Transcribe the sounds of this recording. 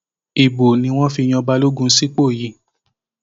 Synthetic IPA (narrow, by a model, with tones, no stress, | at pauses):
i˨bo˨nĩ˧w̃ɔ̃˦fi˧j̃ɔ̃˧ba˧lo˦ɡũ˧˦si˦k͡po˦˨ji˨˦